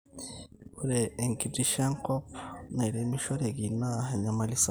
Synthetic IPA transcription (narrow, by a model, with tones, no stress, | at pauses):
kuɾeː˨ŋki˨di˦ʃa˦ŋko˦pne˨ɾe˨mi˦ʃo˦ɾe˨ɡi˨na˦ɦa˨ɲa˨ma˨lisa˨